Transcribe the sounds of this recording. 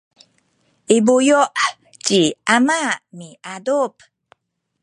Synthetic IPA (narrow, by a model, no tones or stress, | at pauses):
ibujɔʔ | t͡ʃiʔamamiʔadup